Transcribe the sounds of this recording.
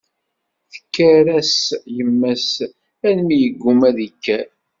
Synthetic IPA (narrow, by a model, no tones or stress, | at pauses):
θə̥kːæɾæsjəmːæs | ænmijəɡːumæðəkːæ